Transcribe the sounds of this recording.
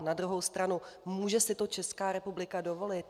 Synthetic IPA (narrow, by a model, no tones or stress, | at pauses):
nadɾuɦo̞wst̪ɾanumuːʒɛsɪt̪o̞t͡ʃɛskaːɾɛpublɪkado̞vo̞lɪt̪